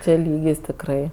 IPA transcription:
ˈt͡ʃʲɛ ˈlʲiːɡʲɪs tʲɪkˈrɐɪ

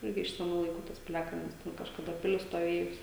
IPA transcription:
ˈɪrʲɡʲɪ ɪʃ sʲɛˈnuː lˠɐɪˈkuː ˈtɐs pʲɪˈlʲæːkɐlʲnʲɪs ˈtʲɛn kɐʃkɐˈdɐ ˈpʲɪlʲɪs stoːˈʋʲeːjʊs

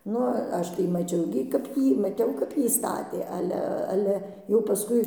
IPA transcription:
ˈnʊ ˈɐʃ tɐɪ mɐˈt͡ʃʲɛʊ ɡʲɪ kɐp ˈjiː mɐˈtʲɛʊ kɐp ˈjiː ˈstɑːtʲeː ˈɑːlʲɛ ˈɑːlʲɛ jɛʊ pɐˈskʊɪ

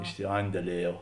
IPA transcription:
ɪʃʲsʲɪˈɐnʲdʲɛlʲiɛˌjɛʊ

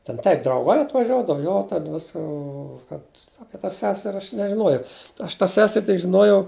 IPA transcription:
tʲɛn ˈtɐɪp drɐʊˈɡɐɪ ɐtʋɐˈʒʲuɔdɐw ˈjoː tʲɛn ˈʋʲɪs ˈoː kɐt ˈɑːpʲiɛ tɐ ˈsʲæːsʲɛrʲ ˈɐʃ nʲɛʒʲɪˈnuɔjɛʊ ɐʃ tɑː ˈsʲæːsʲɛrʲ tʲɪk ʒʲɪˈnuɔjɛʊ

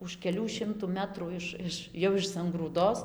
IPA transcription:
ʊʃ kʲɛˈlʲuː ˈʃʲɪmtuː ˈmʲæːtruː ˈɪʃ ˈɪʃ jɛʊ ɪʃ sɐŋɡruːˈdoːs

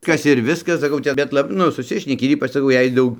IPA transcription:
ˈkɐs ɪr ˈʋʲɪskɐs sɐˈkɐʊ t͡ʃʲɛ ˈbʲɛt lˠɐ ˈnʊ sʊˈsʲɪʃʲnʲɛkʲɪ ɪr ˈiːpɐt͡ʃ sɐˈkɐʊ ˈjɛɪ ˈdɐʊk

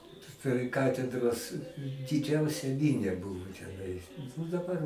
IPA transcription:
pʲrʲɪ ˈkɑːtʲɛdroːs dʲɪˈd͡ʒʲɛʊsʲɛ ˈmʲɪnʲɛ ˈbʊʋoː tʲɛˈnɐɪs oː dɐˈbɐr

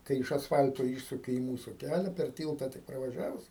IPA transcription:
ˈkɐɪ ɪʃ ɐsˈfɐlʲtoː ˈiːʃsʊkʲɪ ɪ ˈmuːsʊ ˈkʲælʲɛ pʲɛr ˈtʲiːlˠtɐ tʲɪk prɐʋɐˈʒʲæːʋʊs

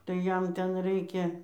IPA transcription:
tɐɪ ˈjɛm ˈtʲɛn ˈrɐɪkʲɛ

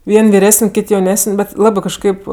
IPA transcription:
ˈʋʲiɛnʲ ʋʲɪˈrʲæːsənʲ ˈkʲɪt jɛʊˈnʲæːsənʲ ˈbʲɛt ˈlˠɑːbɜ kɐʃˈkɐɪp

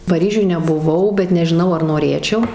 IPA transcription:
pɐˈrʲiːʒʲʊj nʲɛbʊˈʋɐʊ bʲɛt nʲɛʒʲɪˈnɐʊ ɐr noːˈrʲeːt͡ʃʲɛʊ

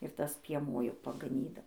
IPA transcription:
ɪr ˈtɐs pʲiɛˈmuɔ jɛʊ pɐɡɐˈnʲiːdɐʊ

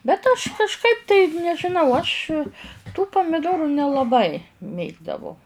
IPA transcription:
bʲɛt ɐʃ kɐʃˈkɐɪp tɐɪ nʲɛʒʲɪˈnɐʊ ɐʃ tuː pɐmʲɪˈdoːrʊ nʲɛlˠɐˈbɐɪ ˈmʲeːɡdɐʋɐʊ

